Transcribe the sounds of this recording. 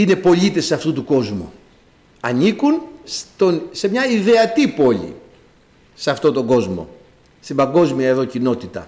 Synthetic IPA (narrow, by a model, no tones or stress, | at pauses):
ine̞po̞ʎit̪e̞sːɐft̪ut̪uko̞zmṵ | ɐnikunst̪onse̞mɲɐiðe̞ɐt̪ipo̞ʎḭ | sɐft̪ot̪o̞ŋɡo̞zmo̞̰ | st̪ibɐŋɡo̞zmiɐeðo̞cino̞t̪it̪ɐ̰